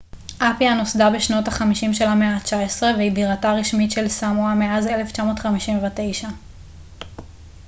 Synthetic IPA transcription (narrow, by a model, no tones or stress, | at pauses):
ʔapianosdabeʃno̞taχamiʃimʃe̞lameat͡ʃaesʁe̞veibiʁataʁiʃmitʃe̞lsamuameazeleft͡ʃamo̞ːtχamiʃimvate̞jʃa